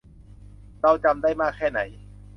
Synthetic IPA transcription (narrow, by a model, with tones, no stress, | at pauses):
ɾa˧˥˧wt͡ɕa˧mdaː˥˩jmaː˥˩kʰːɛː˥˩na̰˩˦j